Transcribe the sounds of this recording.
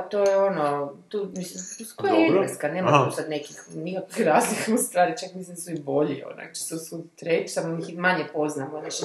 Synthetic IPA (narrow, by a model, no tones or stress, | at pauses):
t̪ojeonot̪uːmislimuskojeieskaneːmat̪usad̪nekixnikakʋixɾaːzlikaust̪ʋaːɾit͡ʃakmisimsibo̞ʎio̰na̰kt͡ʃi̥t̪osut̪ɾet͡ʃsamomiximaɲepo̞znamoneʃ